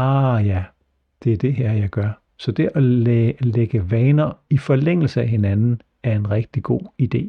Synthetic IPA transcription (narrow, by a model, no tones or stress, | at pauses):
ɑjæ | d̥e̝æɐd̥e̝ɦæɐ̰jɑ̈ɪɡ̥ɶɐ | sɒ̽d̥e̝ʔɒleɡ̥əʋɛːnɐifɒ̽leŋ̰l̩səæɦe̝nænn̩ | æɐe̝nʁɛɡ̥̚d̥iɡ̥o̝̰ːid̥e̝̰ː